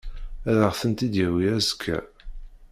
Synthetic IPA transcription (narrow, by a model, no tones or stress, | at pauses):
æɾəʁθənt̪id̪jæwiæzə̥kʰːæ̰